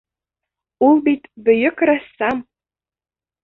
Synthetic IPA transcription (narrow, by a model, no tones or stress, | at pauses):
ulˠbit̪bɘ̆jɘ̆kɾɑsːɑm